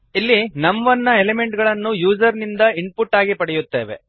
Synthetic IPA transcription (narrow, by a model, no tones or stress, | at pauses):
ilːinɐmʋɐnːɐelemeɳʈɡɐɭɐnːujuːd͡ʒɐɾnind̪ɐiɳpuʈːaːɡipɐɽɛjut̪ːeːʋe